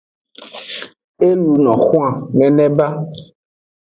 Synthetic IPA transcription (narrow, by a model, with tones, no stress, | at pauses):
e˦lu˨nɔ̰̃˨xwã˨nɛ̃˨nɛ̃˦ba˦